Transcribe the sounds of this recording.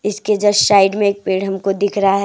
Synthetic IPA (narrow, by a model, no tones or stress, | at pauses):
ɪsked͡ʒɐʃaːɪɖmẽeːk̚peːɽɦɐmkod̪ɪkʰɾɐɦaɦɛ